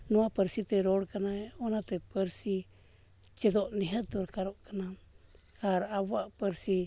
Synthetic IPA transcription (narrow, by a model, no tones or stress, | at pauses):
nũapəɾsit̪eɾoɽkanaeonat̪epəɾsi | t͡ʃed̪oʔniɦət̪uɾkaɾoʔkana | haɾawaʔpəɾsi